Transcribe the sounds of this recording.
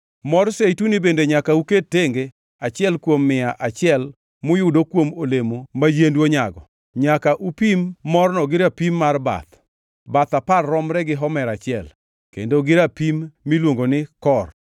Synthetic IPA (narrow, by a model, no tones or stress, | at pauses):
mɔrsejtunibendeɲakauketːeŋɡe | at͡ʃɪɛlkwomːɪaʔat͡ʃɪɛl | mʊjʊdokwomolemomad͡ʒendwoɲaɡɔ̰ | ɲakaʔupimːɔrnɔɡɪɾapimːarba̰t̪ | bat̪aparːɔmɾɛɡɪɦɔmɛɾat͡ʃɪɛl | kḛndoɡɪɾapimːilwoŋɡonɪkɔr